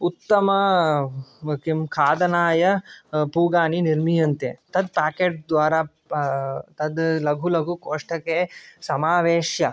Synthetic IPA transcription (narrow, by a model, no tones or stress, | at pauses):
ut̪ːɐmɐ | kimkʰaːd̪ɐnaːjɐpuːɡaːniniɾmijɐnt̪ḛt̪ɐd̪̚paːkeːʈ̚d̪ʋaːɾaː | t̪ɐd̪lɐɡʱulɐɡʱukoːʂʈɐkesɐmaːʋeːʃjɐ